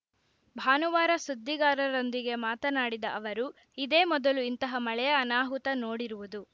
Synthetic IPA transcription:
bʱaːnuʋaːɾɐsud̪ʱːiɡaːɾɐɾond̪iɡe̞maːt̪ɐnaːɽid̪ɐʔɐʋɐɾu | id̪e̞ːmɔd̪ɐluint̪ɐɦɐmɐɭɛjɐːnaːɦut̪ɐnoːɽiɾuʋud̪u

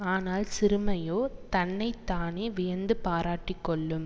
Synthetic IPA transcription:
aːnaːlsɪɾɯmɐjoːt̪ɐnːɐɪt̪ːaːneːʋɪjɐnd̪ɯpaːɾaːʈːɪkːɔɭːɯm

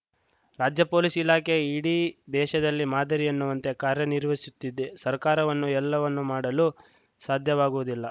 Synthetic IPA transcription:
ɾaːd͡ʒjɐpo̞ːlisilaːke̞iːɽid̪ɛːʃɐd̪ɐlːimaːd̪ɐɾiɐnːuʋɐnt̪e̞kaːɾjɐniɾʋesut̪ːid̪esɐɾkaːɾɐʋɐnːuɛlːɐʋɐnːumaːɽɐlu | saːd̪ʱjɐʋaːɡuʋud̪ilːɐ

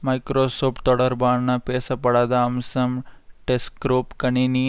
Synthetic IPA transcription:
majkɾoːsoːpʈt̪ɔːɽɐɾbaːɽnapɛːsapɐɽaːd̪aɐmsɐmʈeskɾoːpkɐnini

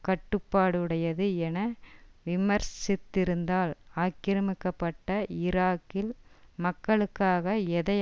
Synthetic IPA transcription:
kɐʈːɯpːaːɽɯɽɐjɐðɯɛnɐʋɪmɐɾsɪt̪ːɪɾɯnd̪aːlaːkɪɾɐmɪkːɐpːɐʈːɐɪɾaːkːɪlmɐkːɐɭɯkːaːɣɐɛðɐj

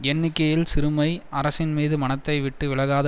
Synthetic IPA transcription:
ɛnːɪkːɐjɪlsɪɾɯmɐɪɐɾɐsɪnmiːðɯmɐnɐt̪ːɐɪʋɪʈːɯʋɪɭɐɣaːðɐ

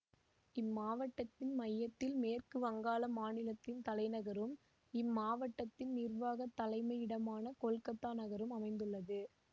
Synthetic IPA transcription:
ɪmːaːʋɐʈːɐt̪ːɪnmɐjːɐt̪ːɪlmeːrkɯʋɐŋɡaːlɐmaːnɪlɐt̪ːɪnt̪ɐlɐɪnɐɣɐɾɯm | ɪmːaːʋɐʈːɐt̪ːɪnnɪrʋaːɣɐt̪ːɐlɐɪmɐɪɪɽɐmaːnɐkɔɭkɐt̪ːaːnɐɣɐɾɯmɐmɐɪnd̪ɯɭːɐðɯ

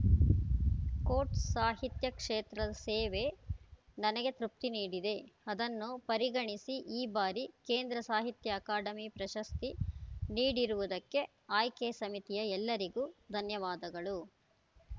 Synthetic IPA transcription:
koːɾʈsaːɦit̪jɐkʂeːt̪ɾɐɐseːʋe̞ | nɐnɐɡet̪ɾup̚t̪iniːɽid̪e̞ɐd̪ɐnːupɐɾiɡɐɳisiʔiːbaːɾikeːnd̪ɾɐsaːɦit̪jɐːkaːɖɐmipɾɐʃɐst̪iniːɽiɾuʋud̪ɐkːe̞ | aːjkeːsɐmit̪ijɐɛlːɐɾiɡuːd̪ʱɐnjɐʋaːd̪ɐɡɐɭu

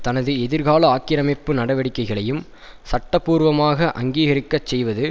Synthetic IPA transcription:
t̪ɐnɐðɯɛðɪɾɣaːɭɐaːkːɪɾɐmɪpːɯnɐɽɐʋɐɽɪkːɐɪɣɐɭɐjɯm | sɐʈːɐpːuːɾʋɐmaːɣɐʔɐ̰ŋɡiːɣɐɾɪkːɐt͡ʃsɛjʋɐðɯ

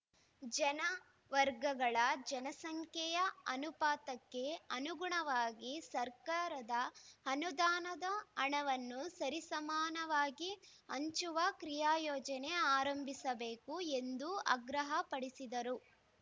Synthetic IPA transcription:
d͡ʒɐnɐ | ʋɐɾɡɐɡɐɭɐd͡ʒɐnɐsɐŋkʰjɛjɐɐnupaːt̪ɐkːe̞ɐnuɡuɳɐʋaːɡisɐɾkaːɾɐd̪ɐɐnud̪aːnɐd̪ɐːɳɐʋɐnːusɐɾisɐmaːnɐʋaːɡi | ɐɲt͡ʃuʋɐkɾijaːjɔːd͡ʒɐneaːɾɐmbʱisɐbeːkue̞nd̪uɐ̰ɡɾɐɦɐpɐɽisid̪ɐɾu

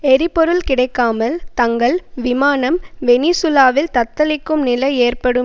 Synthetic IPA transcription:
ɛɾɪpːɔɾɯlkɪɽɐɪkːaːmɐlt̪ɐŋɡɐɭʋɪmaːnɐmʋɛniːsʊlaːʋɪlt̪ɐt̪ːɐlɪkːɯmnɪlɐɪeːrpɐɽɯ

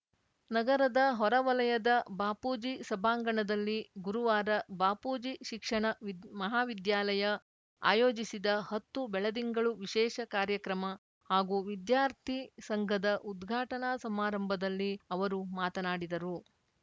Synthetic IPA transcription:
nɐɡɐɾɐd̪ɐɦɔɾɐʋɐlɐjɐd̪ɐbaːpuːd͡ʒisɐbʱaːŋɡɐɳɐd̪ɐlːiɡuɾuʋaːɾɐbaːpuːd͡ʒiʃikʂɐɳɐmɐɦaːʋid̪jaːlɐjɐ | a̰ːjoːd͡ʒisid̪ɐhɐt̪ːubɛɭɐd̪iŋɡɐɭuʋiʃɛːʃɐkaːɾjɐkɾɐmɐ | haːɡuʋid̪jaːɾt̪ʰisɐŋɡʱɐd̪ɐʔud̪ɡʱaːʈɐnasɐmaːɾɐmbʱɐd̪ɐlːiɐʋɐɾumaːt̪ɐnaːɽid̪ɐɾu

